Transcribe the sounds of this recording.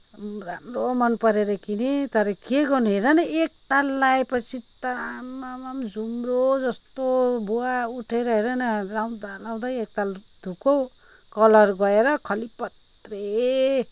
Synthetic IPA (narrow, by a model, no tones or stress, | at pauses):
ramromʌnpʌɾeɾʌkinet̪ʌɾʌkeɡʌnuɦeɾʌnʌek̚t̪alːajpʌt͡sʰit̪amamamd͡zumrod͡zʌst̪obuauʈʰeɾʌɦeɾʌnʌɾawnd̪alaw̃d̪aek̚t̪ald̪ʱuko | kʌlʌrɡʌeɾʌkʰʌlipʌt̪ | re